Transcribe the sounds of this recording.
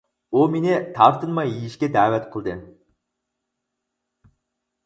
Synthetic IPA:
omenet̪ʰɑɾt̪ɨnmɑjijiʃkʲed̪æːʋæt̪qʰəlˠd̪ən

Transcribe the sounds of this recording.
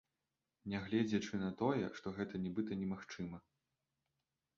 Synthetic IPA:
nʲɛɣlʲɛd͡zʲɛt͡ʂɨnɐt̪ɔjɛ̰ʂt̪ɔɣɛt̪ɐnʲɛbɨt̪ɐnʲɛmaxt͡ʂɨmɐ

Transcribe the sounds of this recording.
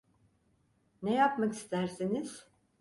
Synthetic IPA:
nejapmaki̥st̪ʰæɾsiniz̥

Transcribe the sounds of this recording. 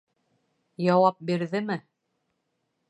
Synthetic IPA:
jɑwɑp̚biɾðɘmɘ

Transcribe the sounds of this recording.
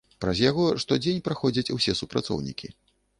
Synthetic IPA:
pɾɐzjaɣɔʂt̪ɔd͡zʲenʲpɾaxɔd͡zʲɐt͡sʲusʲɛsupɾa̰t̪sɔ̰wnʲikʲi

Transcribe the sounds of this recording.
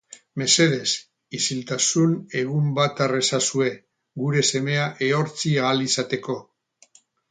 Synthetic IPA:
me̞se̞ð̞e̞s | isilt̪asune̞ɣ̞umbat̪are̞sasue̞ | ɡuɾe̞se̞me̞aʔe̞o̞ɾt͡siaːlisat̪e̞ko̞

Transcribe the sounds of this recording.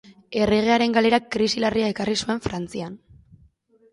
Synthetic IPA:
e̞reɣ̞e̞aɾe̞ŋɡale̞ɾakɾisilariae̞karisue̞ɱfɾant͡sian

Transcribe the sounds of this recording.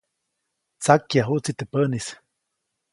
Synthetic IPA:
t͡sakjaɦuʔt͡sit̪əpənis

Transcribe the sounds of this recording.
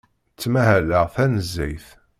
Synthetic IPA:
t͡sːmæɦæləʁθænəzːæjθ

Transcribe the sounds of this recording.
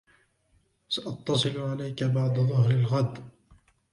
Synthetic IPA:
saʔɑt̪ːɑsˤɨlʕalajkabaʕd̪aðˤʊhɾalɣad̪

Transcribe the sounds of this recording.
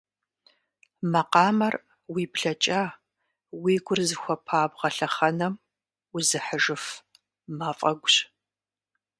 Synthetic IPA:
mɐqɑːmɐr | wiːbɬɐt͡ʃʼaː | wiːɡʷʊrzɨxʷɔpʰaːbʁɐɬɐχɐnɐm | ʊzɨħəʒɨf | maːfʼɐɡʷʊɕ

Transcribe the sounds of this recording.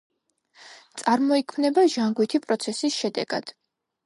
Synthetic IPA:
t̪sʼaɾmɔikʰmnɛbaʒaŋɡwit̪ʰipʼɾɔt̪sʰɛsisʃɛd̪ɛɡ̥a̰d̪̥

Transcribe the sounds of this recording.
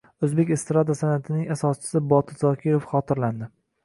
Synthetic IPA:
ɵzbe̞kʲɪst̪ɾad̪asanat̪ʰɪnɪŋasɒst͡ʃʰɪ̥sɪbɒt̪ʰɪzɒkʲʰɪɾofχɒt̪ʰɪɾland̪ɪ

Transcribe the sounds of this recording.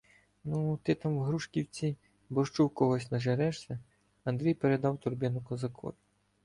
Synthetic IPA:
nut̪ɪt̪amwɣɾuʂkʲiwt͡sʲi | bɔʂt͡ʂuwkɔɣɔsʲnɐʒɛɾɛʂsʲɐ | ɐnd̪ɾɛjpɛɾɛd̪awt̪urbʲɛnʊkɐzɐkʰɔ̰jʲʊ

